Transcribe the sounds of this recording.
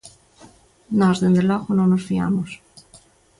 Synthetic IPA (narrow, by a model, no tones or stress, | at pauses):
nɔzðend̪elɔɣonõŋnosfia̰mos